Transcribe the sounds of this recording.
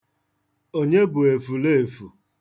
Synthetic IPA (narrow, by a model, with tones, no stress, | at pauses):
o˦ɲe˦bʊ˨e˨fu˨le˦˨e˨fu˨